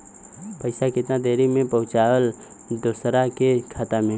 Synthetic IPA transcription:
pəɪsakɪt̪nad̪eːɾimẽpɐɦʊt͡ʃaːwəl | d̪uːsɾakekʰaːt̪amẽ

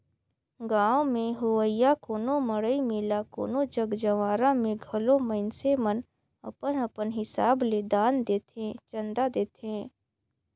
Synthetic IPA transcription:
ɡãːʋõmẽɦʊwəɪjakoːnoməɽəimɪlako̰ːnod͡ʒəɡd͡ʒəʋaːɾãmẽɡʱəloməɪnsemən | ɐ̰pənɐpənɦɪsaːbled̪aːnd̪eːt̪ẽt͡ʃə̃nd̪ad̪eːt̪ʰẽː

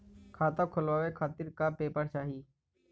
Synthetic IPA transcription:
kʰaːt̪õkʰʊlʋaːʋekʰaːt̪ɪɾkapeːpəɾt͡ʃaːɦiː

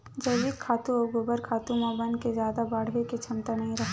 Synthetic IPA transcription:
d͡ʒɐʋiːkʰaːt̪ũɐɡobəɾkʰaːt̪ũmãbɐ̃nd̪kezjaːd̪abaːɽɦeket͡ʃʰɐmt̪anɐɦĩɾɐɦ

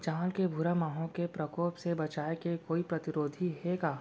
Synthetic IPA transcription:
t͡ʃaːlkebʱʊɾamaːɦõkepɾɐkoːpsebɐt͡ʃaːekekoːipɾɐt̪ɪɾoːd̪ʱiɦɛkaː

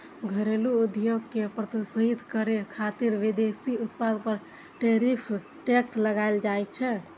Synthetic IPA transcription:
ɡʱəɾeluud̪joɡkepɾət̪usəɦit̪kəɾekʰat̪iɾʋid̪esiut̪pad̪pəɾ | ʈeɾipʰ | ʈeksləɡajld͡ʒajt͡ʃʰɛ

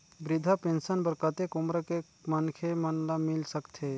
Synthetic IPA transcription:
bɾɪd̪ʱapẽnsənbəɾkət̪ekʊmɾəke | mɐnkʰemənlamɪlsəkt̪ʰe

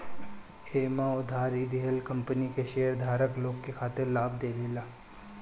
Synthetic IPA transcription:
eːmãʊd̪ʱaːɾid̪ʱiɦəlkɐ̃mpənikeʃeːəɾd̪ʱaːɾəkloːɡkekʰaːt̪ɪɾlaːb̚d̪eːʋeːlaː

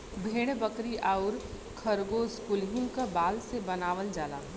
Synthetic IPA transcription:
bʱeːɽ̃bəkɾiʔaːʊɾ | kʰəɾɡoskulɦũkabaːlsebənaːʋəld͡ʒaːla̰ː

